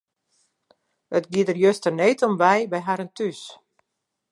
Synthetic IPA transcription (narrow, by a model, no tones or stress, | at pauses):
ətɡiədərjøstərneːtɔmʋɛjbɛjɦaɾəntʰys